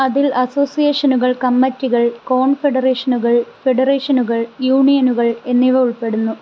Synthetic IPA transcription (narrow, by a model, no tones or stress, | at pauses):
ɐðilɐso̞ːsijeːʂɐnuɣɐɭkɐmːɐtːiɣɐɭko̞ːɳfe̞ɽɐreːʂɐnuɣɐɭfe̞ɖɐreːʂɐnuɣɐɭjuːɳijɐnuɣɐɭe̞nːiʋɐuɭpe̞ɽunːu